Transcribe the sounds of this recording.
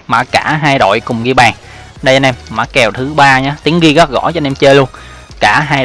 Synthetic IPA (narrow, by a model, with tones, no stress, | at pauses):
ma̰ː˧˩kaː˧˩ɦaː˧jɗo̰˧˨jkʊ˨˩ŋ͡mɣi˧ɓaː˨˩ŋ | ɗə˧t͡ɕɔ˧nʔɛ˧mma̰˧˥kɛ˨˩wt̪ʰɨ˨˦ɓaː˧ɲaː˨˦t̪i˨˦əŋɣi˧ɣ̚ɣɔ̰˧˥t͡ɕɔ˧nɛ˧mt͡ɕəː˧lu˧ən | kaː˧˩ɦaː˧